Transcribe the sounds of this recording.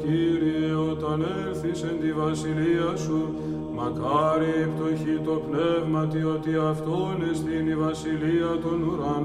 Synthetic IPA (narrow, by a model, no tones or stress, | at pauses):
iɾieot̪ɐneɾθisend̪ivɐsiliɐsu | mɐkɐɾiipt̪o̞çit̪o̞pne̞vmɐt̪iot̪iɐft̪onezðinivɐsiliɐt̪o̞nuɾɐn